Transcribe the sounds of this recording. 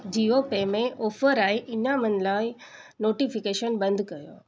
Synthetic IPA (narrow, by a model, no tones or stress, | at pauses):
d͡ʑiːopemẽʔɔːfəɾaːɦeʔɪnamɐnlaːɪ | noːʈifɪkeːʃənbɐ̃nd̪ʱkɐjo̰ː